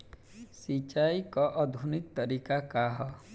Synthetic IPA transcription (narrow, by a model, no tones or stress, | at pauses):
sit͡ʃaikɔʔəd̪ʱunik̚t̪əɾikakaɦɔ